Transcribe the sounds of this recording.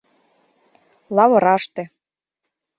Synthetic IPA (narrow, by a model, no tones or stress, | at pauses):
lɑβɤ̆ɾɑʃt̪ĕ